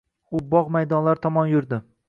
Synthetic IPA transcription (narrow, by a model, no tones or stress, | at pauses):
ʊbɒʁmajd̪ɒnlaɾt̪ʰɒmɒnjʊɾd̪ɪ